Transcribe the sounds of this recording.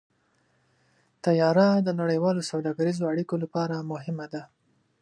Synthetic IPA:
t̪ajɑɾad̪ənaɽəjwɑlosawd̪ɑɡaɾizoaɽikolapɑɾamʊɦɪmad̪a

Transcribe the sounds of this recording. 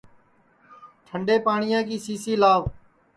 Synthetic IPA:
ʈʰəɳɖeːpaːɳɪjãːkiːsiːsiːlaːʋ

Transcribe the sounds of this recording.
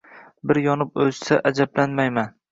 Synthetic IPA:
bɪɾjɒnɪpɵzsaʔad͡ʒablanmajman

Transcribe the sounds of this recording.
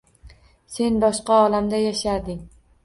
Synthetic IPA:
se̞nbɒʃqɑɒlamd̪ajaʃad̪ɪŋ

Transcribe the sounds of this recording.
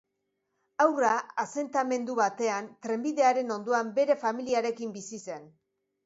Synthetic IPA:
awraase̞nt̪ame̞nd̪uβat̪e̞ant̪ɾe̞mbiðe̞aɾe̞no̞nd̪oambe̞ɾe̞familiaɾe̞kimbisise̞n

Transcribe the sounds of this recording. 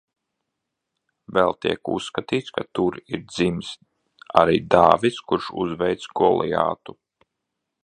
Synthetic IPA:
vɛlˠt̪iɛkṵsːkat̪iːt̪skat̪uɾiɾd̪zims | aɾiːd̪aːvit̪skuɾʃṵzvɛjt̪sɡɔlˠija̰ːt̪u

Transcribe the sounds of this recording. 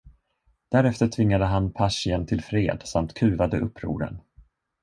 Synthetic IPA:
d̪̥æɾɛft̪əʈʰvɪŋːad̪əɦanpʰaʂɪənt̪ʰɪlfɾeːd̪samt̪kʰʉ̟ːvad̪əʔɵpːɾṵːɾə̰n

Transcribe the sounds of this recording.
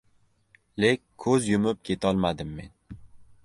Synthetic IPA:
lekʲʰːɵzjʊmɪp̚kʲʰe̞t̪ʰɒlˠmad̪ɪmːe̞n

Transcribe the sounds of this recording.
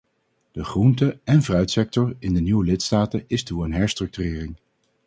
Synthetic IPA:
d̥əχruntəɛnvrœɥtsɛk̚tɔɹɪndəniwəlɪtstaːtəɪstuənɦɛɹstrɵk̚tyrɪːrɪŋ

